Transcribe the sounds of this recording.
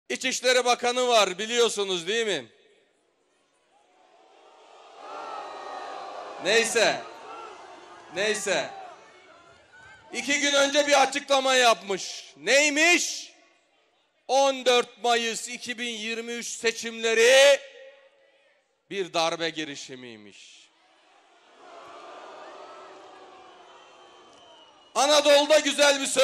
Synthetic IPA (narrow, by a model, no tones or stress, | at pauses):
it͡ʃiʃlʲe̞ɾibakʰanɯvaɾbilʲijo̞sunuzd̪ijmɪ | nejsɛ | nejsɛ | icʰiɟynø̞nd͡ʒɛbiɾat͡ʃʰɯklˠamajapmɯʃnejmiʃ | ond̪øɾt̪̚majɯsicʰibinjiɾmiyt͡ʃse̞t͡ʃʰimlʲe̞ɾi | biɾd̪aɾbɛɟiɾiʃimḭjmḭʃ | anad̪o̞lˠd̪aɟyzælʲbisø